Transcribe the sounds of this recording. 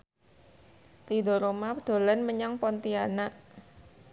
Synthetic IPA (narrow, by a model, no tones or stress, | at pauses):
t̪idoɾomad̪̥o̤lɛnməɲaŋpɔnt̪iana